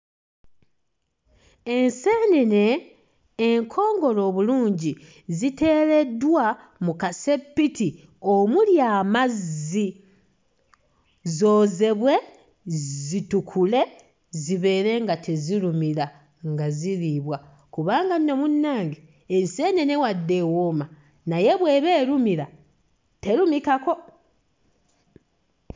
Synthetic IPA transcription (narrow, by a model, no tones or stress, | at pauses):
e̞nse̞ːnene̞ː | ŋkʰo̞ːŋɡo̞lo̞ːβuluːɲɟi | zite̞ːle̞dwa | mukase̞pːiti | omuljaːmazi | zo̞ːze̞βwe̞ | zitukʰule̞ | ziβe̞ːɾe̞ŋɡatʰeziɾumiɾa | ŋɡaziɾiːβwa | kuβaːŋɡanino̞munːaːŋɡi | enseːnenewadːe̞woma | naje̞βweːβe̞ːɾumiɾa | te̞ɾumikako̞